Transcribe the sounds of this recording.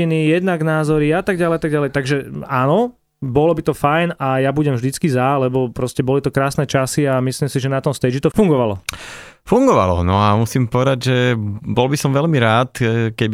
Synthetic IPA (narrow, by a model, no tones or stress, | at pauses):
inijɛd̪naɡnaːzɔɾiat̪aɡ̚ɟalɛjat̪aɡ̚ɟalɛjt̪aɡʒɛanɔ | bɔlɔbit̪ɔfajnajabuɟɛmvʒd̪it͡skizalɛbɔpɾɔscɛbɔlit̪ɔkɾaːsnɛt͡ʃasiamislimsiʒɛnat̪ɔmst̪ɛd͡ʒit̪ɔfuŋɡɔʋalɔfuŋɡɔʋa̰lɔ̰nɔamusiːmpɔʋɛd̪aɟʒɛbɔlbisɔmʋɛlmiɾaːt̪kɛb